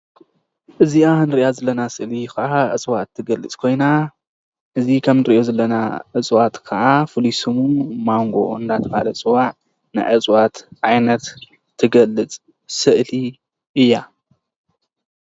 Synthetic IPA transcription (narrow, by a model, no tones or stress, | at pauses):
ʔɨzianɨɾiʔjazɐlːɐnasɨʔlikɐʕaʔɨt͡sʼwat̪ʰːɨɡɐlːɨt͡sʼkʰo̞jna | ʔɨzikʰɐmnɨɾɨʔo̞zɐlːɐna̰ʔɨt͡sʼwat̪kʰɐʕafɨlisɨmumaŋɡo̞̰ɨnd̪at̪ʰɐbalɐt͡sʼɨwaʕ | nɨ̰ʕɨt͡sʼwat̪ʕajnɐt̪ʰː | ɨɡɐlːɨt͡sʼ | sɨʔli | ʔɨjːa